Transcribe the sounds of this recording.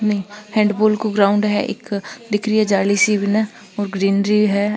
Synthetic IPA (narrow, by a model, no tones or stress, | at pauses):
nɐɦĩhɛ̃ːɳɖboːlkoɡɾaːʊ̃ɳɖɦɛ̰ʔɪ̰ːkd̪ɪkʰɾiɦɛd͡ʒaːlisibinɛ | ɔːɾɡɾiːnɾiɦɛ